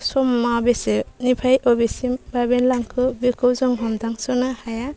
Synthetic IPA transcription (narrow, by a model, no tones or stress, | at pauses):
sɔmːabesenipʰajʔɔbesimbabenlaŋkʰɯbikʰɯwzɔŋɦɔmdaŋsɔnahaja